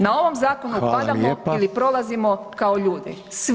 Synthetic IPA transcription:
nao̞ʋo̞mzaːko̞nupad̪amoilipɾo̞lˠazimo | kao̞ʎuːd̪ḭ | s

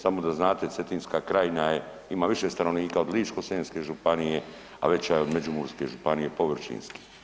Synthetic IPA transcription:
samo̞d̪aznaːt̪et̪se̞t̪inskaːkɾajinaje | imaːʋiʃest̪ano̞ʋniːkaod̪liːt͡ʃkoseːnskeʒupanije | a̰ʋe̞t͡ɕajeo̞d̪med͡ʑumuɾske̞ʒupanijepo̞ʋr̩ʃḭnski̥

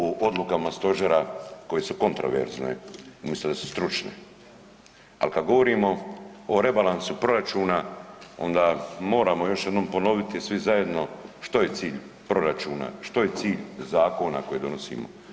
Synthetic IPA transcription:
uʔo̞d̪lˠukamast̪o̞ʒeɾako̞je̞suko̞nt̪ɾo̞̰ʋḛɾznḛumislʲed̪asu̥st̪ɾut͡ʃnḛ | a̰lkad̪ɡo̞ʋo̞ɾiːmo̞oɾe̞balˠansupɾo̞ɾat͡ʃuːnao̞̰nd̪amo̞ːɾamojo̞ʃje̞d̪noːmpo̞no̞ʋit̪isʋizaje̞d̪no̞ʃt̪o̞jet̪siːʎ | pɾo̞ɾat͡ʃuːna̰ʃt̪o̞je̞t̪siːʎzaːko̞na̰ko̞jed̪o̞nosḭːmo̰

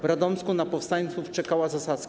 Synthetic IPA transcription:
vɾad̪ɔnskunapɔfst̪aɲt̪suft͡ʂɛkawazasat̪skʲ

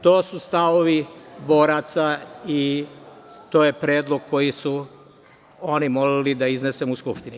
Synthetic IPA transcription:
t̪o̞ːsust̪aʋoʋibo̞ːɾat̪sai | t̪o̞ːje̞pɾeːd̪lˠoɡ̚kʰo̞jisu | o̞nimolilid̪aiznese̞muskupʃt̪ini

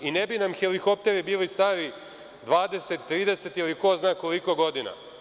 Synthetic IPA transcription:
inebinamxelikop̚t̪e̞ɾibiːlist̪aːɾi | d̪ʋaːd̪e̞set̪ːɾiːd̪eset̪jiliko̞znaːko̞liko̞ɡo̞d̪ina̰

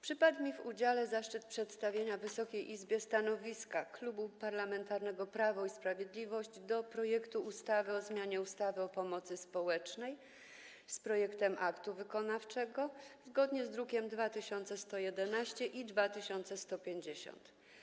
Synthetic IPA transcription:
pʂɘpad̪mʲivud͡ʑalɛzaʂt͡ʂɘt̪̚pʂɛt̪st̪avʲjeɲavɘsɔkʲejʔizbʲjɛst̪anɔvʲiskaklubupaɾlamɛnt̪aɾnɛɡɔpɾavɔispɾavʲjed̪lʲivɔɕd͡ʑd̪ɔpɾɔjɛkt̪uust̪avɘɔzmʲjaɲɛust̪avɘɔpɔmɔt̪sɘspɔwɛt͡ʂnɛj | spɾɔjɛkt̪ɛmʔakt̪uvɘkɔnaft͡ʂɛɡɔzɡɔd̪ɲɛzd̪ɾukʲɛmd̪vat̪ɘɕɔnt̪sɛst̪ɔjɛd̪ɛnaɕt͡ɕɛʔid̪vat̪ɘɕɔnt̪sɛst̪ɔpʲjeɲd͡ʑeɕɔ̰nt̪

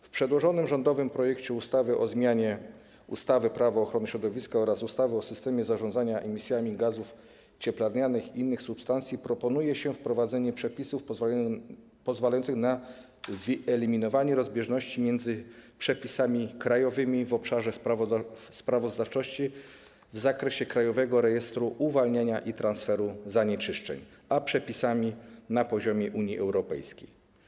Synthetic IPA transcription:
fpʂɛd̪wɔʐɔnɘmʐɔnd̪ɔvɘmpɾɔjɛkt͡ɕɛust̪avɘʔɔzmʲaɲɛ | ṵst̪avɘpɾavaːxɾɔnɘɕɾɔd̪ɔvʲiskaɔɾasust̪avɘɔsɘst̪ɛmʲjɛzaʐɔnaɲaʔɛmʲisʲjamʲiɡazuf | t͡ɕɛplaɾɲanɘxiʔinːɘxsupst̪ant̪sʲipɾɔpɔnujɛɕɛfpɾɔvad̪zɛɲɛpʂɛpʲisuf | pɔzvalajɔntsɘxna | vɘɛlʲimʲinɔvaɲɛɾɔzbʲjɛʐnɔɕt͡ɕimʲjɛnd̪zɘpʂɛpʲisamʲikɾajɔvɘmʲivɔpʂaʐɛ | spɾavɔzd̪aft͡ʂɔɕt͡ɕi | vzakɾɛɕɛkɾajɔvɛɡɔɾɛjɛst̪ɾuʔuvalɲeɲaʔit̪ɾansfɛɾuzaɲɛt͡ʂɘʂt͡ʂɛ̰ɲ | apʂɛpʲisamʲinapɔʑɔmʲjɛʔuɲiʔɛwɾɔpɛ̰jskʲḛj

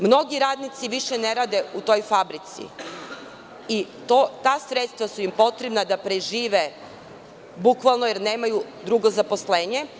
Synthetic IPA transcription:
mno̞ɡiɾaːd̪nit̪siʋiʃeneɾaːd̪e̞ut̪o̞jfabɾit̪sḭ | i | t̪ot̪aːsɾet̪st̪ʋasuimpo̞t̪ɾebnad̪apɾeʒiːʋe̞ | bukʋalˠnojeɾne̞ːmajud̪ɾuɡo̞zapo̞sleːɲe̞

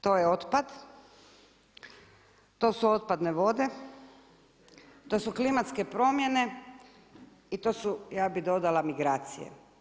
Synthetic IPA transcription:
t̪o̞ːjeo̞t̪pad̪ | t̪o̞suo̞t̪̚pad̪ne̞ʋo̞d̪e̞ | t̪o̞suklimat̪ske̞pɾo̞mje̞ne̞ | it̪o̞ːsujaːbid̪o̞d̪alamiɡɾaːt̪sḭjḛ

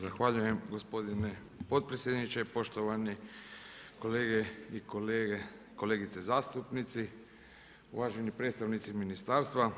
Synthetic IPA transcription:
zaxʋaʎuje̞mɡo̞spo̞d̪ine | po̞t̪̚pɾesjed̪nit͡ʃe̞po̞ʃt̪o̞ʋani | ko̞leːɡeikoleɡe | ko̞leːɡit̪sezaːst̪upnit̪si | ṵʋaːʒenipɾe̞d̪st̪aʋnit̪siminist̪aːɾst̪ʋa

